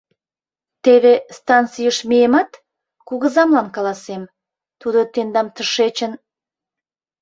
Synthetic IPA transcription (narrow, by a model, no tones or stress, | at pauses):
t̪eβest̪ɑnt͡sijəʃmejemɑt̪ | kuɣəzɑmlɑnkɑlɑsem | t̪ud̪ot̪end̪ɑmt̪əʃet͡ɕən